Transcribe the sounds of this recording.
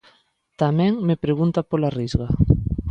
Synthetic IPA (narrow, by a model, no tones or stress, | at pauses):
t̪amɛ̃ŋmepɾeɣunt̪apolarizɣa